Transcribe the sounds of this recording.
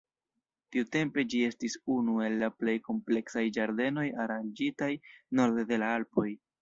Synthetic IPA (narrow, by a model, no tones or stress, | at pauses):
tiute̞mpe̞d͡ʒie̞stisunue̞lːaple̞jko̞mple̞ksajd͡ʒaɾde̞no̞jaɾand͡ʒitajno̞ɾdede̞laalpo̞j